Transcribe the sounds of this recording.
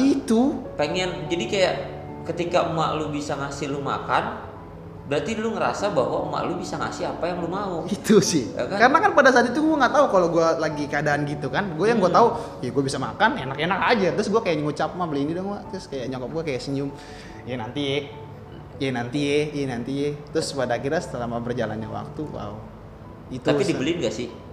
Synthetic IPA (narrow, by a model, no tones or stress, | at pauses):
it̪upəŋɛnd͡ʒadikajaʔ | kət̪ikaʔuma̰ʔlubisaŋasɪluma̰kan | bəɾart̪ilʊŋəɾa̰sabaɦwauma̰ʔlubisaŋa̰sɪapajaŋlumauit̪usɪha̰kakaɾənakanpadas̬aːt̪it̪uɡuaŋɡaʔt̪aukaloɡualaɡikəadaːnɡit̪ukanɡuajaŋɡuat̪au | jaɡuabisamakanenakenakad͡ʒat̪ɾʊs̬ɡuakajaʔɲŋut͡ʃap̚mabəlinidɔŋɡuat̪ɾʊskajaʔɲɔkɔp̚ɡuakajaʔsəɲʊm | janant̪iɛ | jɛnant̪iejɛnant̪ijɛt̪ɾʊspadakiɾasə̥t̪əlamabərd͡ʒala̰nɲawa̰k̚t̪uwa̰u | it̪apidibəlinɡasɪh